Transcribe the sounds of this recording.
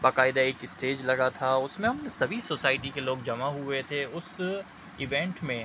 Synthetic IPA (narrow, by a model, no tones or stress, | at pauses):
baːkaːɪd̪aeːkɪsʈeːd͡ʒlɐɡat̪ʰaʊsmẽɦɐmsɐbʱisoːsaːɪʈ̬ikeloːɡd͡ʒɐmaɦʊet̪ʰeʊs | ɪʋẽːɳʈmẽː